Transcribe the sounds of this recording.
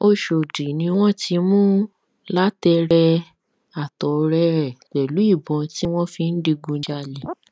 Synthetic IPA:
o˧ʃo˨di˨nĩ˧w̃ɔ̃˦ti˧mũ˦ | la˦tɛ˧ɾɛ˧ | a˨tɔ˨˧ɾɛ˧ɾɛ˨tɛ˨lu˨˦i˦˨bɔ̃˨˧ti˦w̃ɔ̃˦fi˧n̩˦di˧ɡũ˧˦d͡ʒa˧le˨

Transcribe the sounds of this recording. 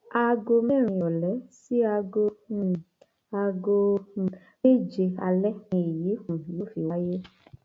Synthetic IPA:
a˧ɡo˧mɛ˦˨ɾ̃ĩ˧˨ɔ˨lɛ˨˦si˦a˧ɡõ˧˨ | a˧ɡo˧˨ | me˦˨d͡ʒe˧a˧lɛ˦ĩ˧i˨ji˨˦kũ˨jo˨˦fi˨wa˦je˦

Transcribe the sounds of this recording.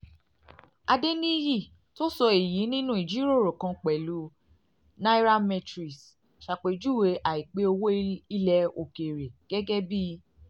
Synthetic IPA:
a˧de˦nĩ˦ji˦˨ | to˦sɔ˧i˨ji˨˦nĩ˦nũ˦i˦˨d͡ʒi˦ɾo˦˨ɾo˨kã˧k͡pɛ˨lu˨˦ | na˦i˦ɾa˦mɛ˧tɾi˨s | ʃa˨k͡pe˨d͡ʒu˦˨we˧ʔa˨i˨k͡pe˨˦o˧wo˦i˦lɛ˧˦o˧˨ke˨ɾe˨ɡ̥ɛ˦ɡɛ˦bi˦˧

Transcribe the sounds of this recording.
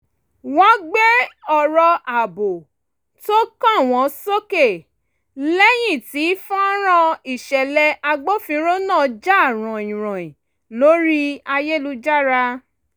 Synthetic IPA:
wɔ̃˨˦ɡ͡be˦ɔ˨ɾɔ˧a˨bo˨ | to˦kã˦˨w̃ɔ̃˨˧˦so˦ke˦˨ | lɛ˦j̃ĩ˦˨ti˨˦fũ˦ɔ˦ɾ̃ã˧i˨ʃɛ˨lɛ˧ʔa˧ɡ͡bo˦fĩ˧ɾo˦nãː˦˨d͡ʒa˦˨ɾ̃ɔ̃˨ĩ˨ɾ̃ɔ̃˨ĩ˨ | lo˨˦ɾi˦a˧je˦lu˧d͡ʒa˦ɾa˧

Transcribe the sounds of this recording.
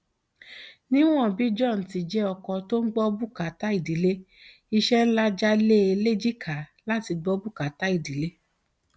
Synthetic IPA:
nĩ˦w̃ɔ̃˦˨bi˨˦d͡ʒɔ̃˦˨n̩˨ti˨˧d͡ʒɛ˦ɔ˧kɔ˧to˦n̩˦ɡ͡bɔ˦bu˦˨ka˨ta˦i˦˨di˨˦le˦ | i˧ʃɛ˦n̩˦la˦d͡ʒa˦le˦e˧le˦d͡ʒi˦kʰa˨˦la˦ti˧ɡ͡bɔ˦bu˦˨ka˨ta˨˦i˦˨di˨˦le˦

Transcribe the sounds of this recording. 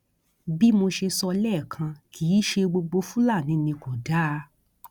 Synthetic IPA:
bi˦mo˧ʃe˧sɔ˧lɛː˦˨kʰã˧kʰiː˨˦ʃe˧ɡ͡bo˧ɡ͡bo˧fũ˦la˦˨nĩ˨˦nĩ˧ko˨da˦˧

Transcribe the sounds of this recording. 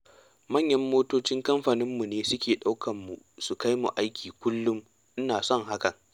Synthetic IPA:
mɐ˦˨ɲjɐ˦mːoː˦toː˦t͡ʃɪ˦ŋkɐ˦mɸaː˨nɪ˦mːu˨neː˦sʊ˦kʲeː˨ɗa˦wkʰɐ˨mːu˨ | su˨ka˦jmṵ˨ʔa˦jkʲʰiː˨kʷʊ˦lːʊ˦m | ʔɪ˦naː˨sɔ˦˨ŋɦa˦kɐ˨ŋ

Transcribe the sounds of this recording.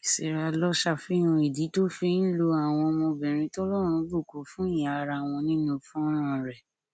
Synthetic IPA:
i˨se˨ɾa˧lɔ˦ʃa˧˨fi˦j̃ũ˧i˨di˨˦to˦fi˧n̩˦lo˧a˨w̃ɔ̃˧mɔ̃˧bɛ̃˨ɾ̃ĩ˧tɔ˦lɔ˦˨ɾ̃ũ˧˦bu˦˨ko˨˦fũ˦i˦˨j̃a˨˧ɾa˧˨w̃ɔ̃˧nĩ˦nũ˧fũ˦ɔ˦ɾ̃ã˦˨ɾɛ˨

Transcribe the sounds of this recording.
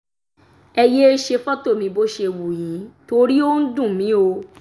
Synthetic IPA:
ɛ˧je˦e˦ʃe˧fɔ˦to˦˨mĩ˧bo˦ʃe˧wu˨jĩ˨˦to˧ɾi˦o˦n̩˦dũ˦˨mĩ˨˦o˧

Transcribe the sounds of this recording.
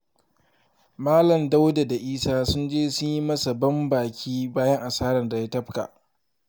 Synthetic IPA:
maː˦lɐ˨mda˦wda˨da˨ʔiː˦saː˦sʊ˦nd͡ʒeː˦sʊ˦ɲji˦mɐ˦sa˨bɐ˦mbaː˨kʲʰiː˦baː˦jɐ˦ŋʔa˨saː˦ɾɐ˨nda˨ja˦tɐ˦ɸka̰˨ʔ

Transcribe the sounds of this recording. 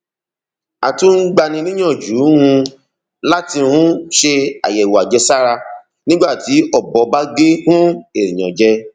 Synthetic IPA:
a˨tũ˦n̩˦ɡ͡ba˧nĩ˧nĩ˦j̃ã˦˨d͡ʒu˨˦hũ˧ | la˦ti˧hũ˦ʃe˧a̰˨jɛ˨wa˨d͡ʒɛ˧˦sa˦ɾa˧ | nĩ˦ɡ͡ba˦˨ti˨˦ɔ˦˨bɔ˨˦ba˦ɡe˦hũ˦e˦˨ɾĩ˨j̃ɔ̃˨d͡ʒɛ˦

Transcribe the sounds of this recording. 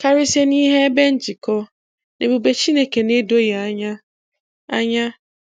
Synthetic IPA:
ka˦ɾɪ˦se˦nĩ˦ɦɛ˦bɛ˦n̩˨t͡ɕʰi˨kʰɔ˦ | nẽ˨bo˨be˨t͡ɕʰi˦ne˨ke˨nẽ˦do˦jɛ˨a˨ɲã˦ | a˨ɲã˦

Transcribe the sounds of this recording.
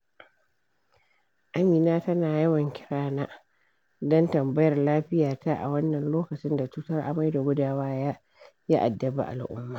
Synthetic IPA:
ʔa˦miː˨naː˦tɐ˦naː˨jɐ˦wɐ˨ŋkʲɪ̥˦ɽaː˦naː˦ | dɔ˦ntɐ˨mbɐ˦jɐ˨rlaː˦ɸɪ˦jaː˨ta˦ʔa̰˨wɐ˦nːɐ˨nloː˦kɐ˨t͡ʃɪ˦nda˨t͡ʃuː˦tɐ˦rʔa̰˨ma˦jda˨ɡʷʊ˦daː˦waː˦jaː˦ | ja˦ʔa̰˨dːɐ˨ba̰˨ʔa̰˨lʔʊ̰˦mːaː˨

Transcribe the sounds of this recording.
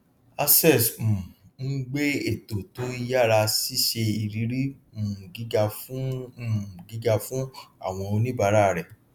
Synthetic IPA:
a˧sɛ˦˨s̩˨n̩˦ɡ͡be˦e˦˨to˨tũ˨˦i˧ja˦˨ɾa˧si˦˨ʃe˧i˧ɾi˨˦ɾi˦m̩˨ɡi˨˦ɡa˧f | ɡi˨˦ɡa˧fũ˦a̰˦˨w̃ɔ̃˧o˧nĩ˦ba˧˦ɾa˦˨ɾɛ˨

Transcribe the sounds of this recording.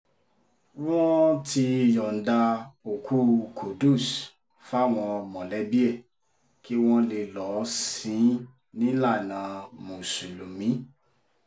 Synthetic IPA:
wɔ̃˦ti˧˨jɔ˨n̩˨da˧o˨ku˦kʰo˨du˦˨s | fa˦˨w̃ɔ̃˧mɔ̃˨lɛ˨˦bi˦ɛ˦˨ | ki˦w̃ɔ̃˦le˧lɔ˨˦sĩ˨˦ | nĩ˦la˦˨nã˨˦mũ˨su˨lu˨mĩ˨˦

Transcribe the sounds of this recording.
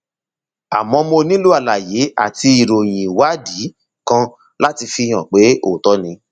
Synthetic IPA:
a˨mɔ̃˧˦mo˧nĩ˦lu˦a˦˨la˨je˨˦a̰˦˨ti˧i˨ɾo˨j̃ĩ˨wa˦di˨˦ | kã˧ | la˦ti˧fi˧j̃ɔ̃˨k͡pe˨˦o̰˦˨tɔ˨˦nĩ˧˦

